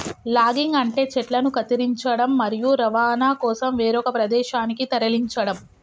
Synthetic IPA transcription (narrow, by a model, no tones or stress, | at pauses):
laːɡiŋɡɐɳʈe̞ːt͡ʃɛʈlɐnukɐt̪iɾiɲt͡ʃɐɽɐmːɐɾijuɾɐʋaːnaːkɔːsɐmʋeːɾɔkɐpɾɐd̪ɛːʃaːnikit̪ɐɾɐliɲt͡ʃɐɽɐm